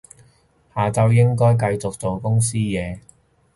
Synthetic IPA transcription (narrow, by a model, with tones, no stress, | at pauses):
haː˨˩t͡sɐ˨˧wjɪ˥ŋkɔː˥jk̬ɐ˧jt͡sʊ˨k̚t͡so˨wkʊ˥ŋs̬iː˥jɛː˨˧